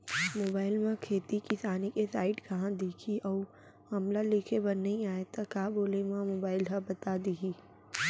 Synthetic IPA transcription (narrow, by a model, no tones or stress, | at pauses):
moːbaːɪlmãkʰeːt̪ikisaːnikesaːɪʈkɐɦãd̪eːkʰiʔɔː | hɐmlalɪkʰebɐnːəɦĩaːet̪ɐkaːboːlemãmoːbaːɪlɦɐbɐt̪ad̪iːɦiː